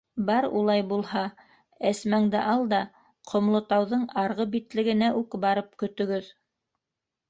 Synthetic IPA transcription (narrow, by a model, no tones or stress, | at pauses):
bɑɾṵlˠɑjbulˠhɑ | æsmæŋd̪ɘʔɑlˠd̪ɑ | qʰŏmlˠŏt̪ɑwðɤɴɑɾʁɤbit̪lɘ̆ɡɘ̆næʔʉkbɑɾɤp̚kɵ̆t̪ɵ̆ɡɵð